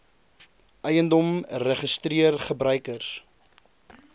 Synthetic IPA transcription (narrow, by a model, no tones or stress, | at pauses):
ʔœjəndɔmrɛχəstriərχəbɾœɥkərs